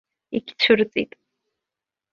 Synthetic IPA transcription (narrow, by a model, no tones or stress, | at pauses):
iɡʲt͡ʃʰɨrt͡sʼḭtʼ